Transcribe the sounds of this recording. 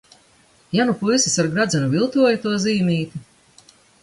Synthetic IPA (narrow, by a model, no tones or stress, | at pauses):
janupusisaɾɡɾad̪zɛnuvilˠt̪uɔjit̪uɔziːmiːt̪ʲi